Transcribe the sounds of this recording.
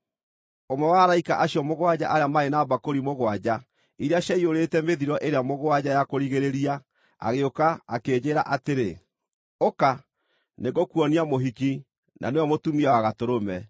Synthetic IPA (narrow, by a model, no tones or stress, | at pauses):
omɛwaɾaikaʔaɕjɔmoɣwad͡ʑa̰ʔaeamaenaːbakoɾimoɣwad͡ʑa | iɾeaɕaioɾetɛmeðiɾɔʔeɾeamoɣwad͡ʑajakoɾiɣeɾeɾia | a̰ɣeokaːkeːd͡ʑeːɾa̰ʔateɾe | oka | neɣokuɔniamoɦiki | nʔa̰neɔmotumiawaɣatoɾomɛ